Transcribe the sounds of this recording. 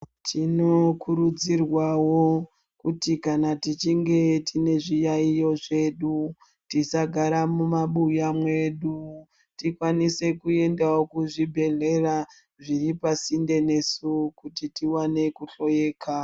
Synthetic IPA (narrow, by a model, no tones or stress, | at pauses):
tʰino̞kuɾud͡zirwawo̞ | kutikanatit͡ʃiŋɡe̞tine̞ʐijaijo̞ʐe̞ɗu | tisaɡʱaɾamumaɓujamwe̞ɗu | tikwanise̞kue̞ndawokuʐibʱe̞ɮe̞ra | ʐiripasinde̞ne̞sukutitiwane̞kuɬo̞je̞ːkʰa